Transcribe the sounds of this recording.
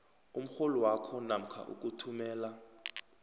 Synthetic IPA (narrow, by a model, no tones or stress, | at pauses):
um̩xoluwakʰɔnam̩kʰa̰ʔṵk̬ʼutʰumɛːla